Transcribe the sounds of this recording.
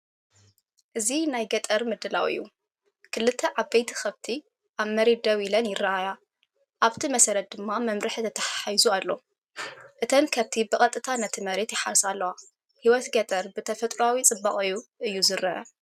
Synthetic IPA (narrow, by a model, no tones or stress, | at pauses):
ʔɨzinajɡɐt̪ʼɐɾmɨd̪ɨlawɨ̰jːu | kʰɨlːɨt̪ʰːɐʕaβbejt̪ʰi̥xɐβt̪ʰi | ʔaβmɐɾet̪̚d̪ɐwilɐnjɪrːaaja | ʔaβt̪ʰimɐsɐɾɐt̪̚d̪ɨmːamɐmɾɨħt̪ʰɐt̪ʰɐħaħajzualːo̞ | ʔɨt̪ʰɐnkʰaβt̪ʰibɨkʼɐt̪ʼːɨt̪ʰanɐt̪ʰimɐɾe̞t̪jɪħaɾsalːɐwa | hiwɔt̪ɡɐt̪ʼɐɾbɨt̪ʰɐfɐt̪ʼɾawit͡sʼɨbaχʼɨjːuʔɨjːuzɨɾɐʔɐ̰